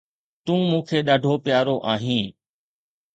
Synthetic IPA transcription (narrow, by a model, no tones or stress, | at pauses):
t̪ũːmũːkʰeːɗaːɖʱoːpɪjaːɾoːʔaːɦĩː